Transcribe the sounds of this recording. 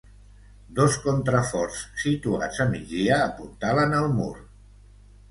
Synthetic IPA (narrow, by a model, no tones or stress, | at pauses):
d̪oskont̪ɾəfɔrssit̪ua̰zəmid͡ziəːpuɾt̪alənəlˠmṵɾ